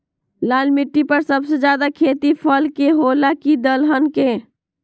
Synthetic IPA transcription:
laːlmɪʈːipəɾsəbsed͡ʒjaːd̪akʰeːt̪ipʰəlkeɦoːlakid̪əlɦənke

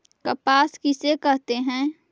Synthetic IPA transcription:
kəpaːskɪsekɛɦt̪eɦɛ̃ː

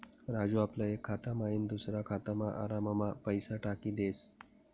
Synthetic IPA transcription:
ɾad͡ʑuaplaekʰːat̪amaiːnd̪usɾakʰat̪əmaʔa̰ɾamamapəjsaʈakiːd̪es

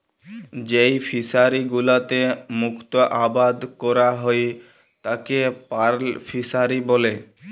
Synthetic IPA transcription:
d͡ʑejfʰisaɾiɡulat̪emukt̪oʔabad̪kɔɾaɦoj | t̪akepaɾlfʰisaɾibole

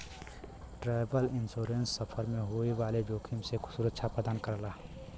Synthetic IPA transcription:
ʈɾaːɪbəlɪnsoːɾensːəpʰəɾmẽɦoeʋaːled͡ʒoːkʰimsekʰʊ̥suːɾətːʃʰapəd̪aːnkəɾlaː

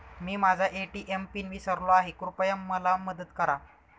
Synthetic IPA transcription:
miːmad͡zʱaʔeʈiːʔempinʋisəɾlɔaɦekɾupəjəmːəlaməd̪ət̪kəɾa

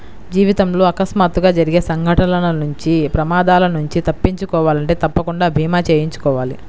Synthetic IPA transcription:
d͡ʒiːʋit̪ɐmloːɐkɐsmaːt̪uɡaːd͡ʒɐɾiɡe̞ːsɐŋɡʱɐʈɐnɐnɐnuɲt͡ʃipɾɐmaːd̪aːlɐnuɲt͡ʃit̪ɐpːiɲt͡ʃukɔːʋaːlɐɳʈe̞ːt̪ɐpːɐkuɳɖaːbʱiːmaːt͡ʃeːjiɲt͡ʃu̥kɔːʋaːli

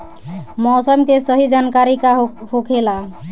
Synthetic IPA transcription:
mɔsəmkesəɦid͡ʒankaɾikahokʰela

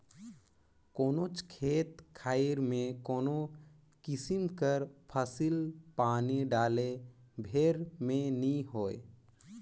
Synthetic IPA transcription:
koːnot͡ʃkʰeːt̪kʰaːɪɾmẽkoːno | kɪsɪmkəɾpʰəsilpaːniɖaːlebʱeːɾmẽniɦoːḛ

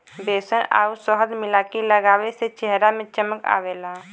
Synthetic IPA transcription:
beːsəna̰ːusɔɦəd̪mɪlaːkiləɡaːweset͡ʃɛɦɾamẽt͡ʃəməka̰ːweːlaː

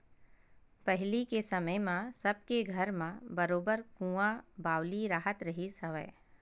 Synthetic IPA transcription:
pəɦɪlikesɐməjmãsɐb̚keɡʱəɾmãbəɾoːbəɾkũːãbaːwliɾaːɦət̪ɾəɦisəʋɛ̰ː

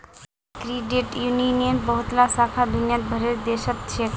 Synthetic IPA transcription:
kɾiɖeʈjuninijənbəɦut̪lasakʰad̪unjãt̪̚bʱəɾeɾd̪eʃət̪t͡ʃʰe

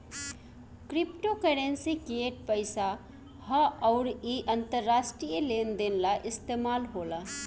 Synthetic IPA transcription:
kɾɪpʈokəɽensikeʈ̚pəɪsa | həɔːɾiʔɐ̃nt̪əɾːaːsʈɾijəleːnd̪enlaʔɪst̪eːmaːlɦoːla

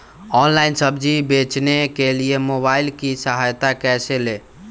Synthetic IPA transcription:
ɔnlainsəbd͡ʒibet͡ʃnekeliemoβailkisəɦajt̪akɛsele

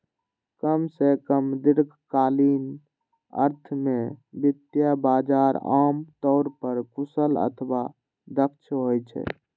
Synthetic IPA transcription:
kəmsekəmd̪iɾɡʰʱkaːlin | ə̰ɾt̪ʰmebit̪jabad͡ʒaɾamt̪ɔʊɾpəɾkusələ̰t̪ʰba | d̪ək̚t͡ʃʰɦojt͡ʃʰɛ̰

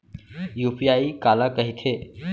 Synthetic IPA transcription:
juːpijaːikaːlakəɦit̪ʰeː

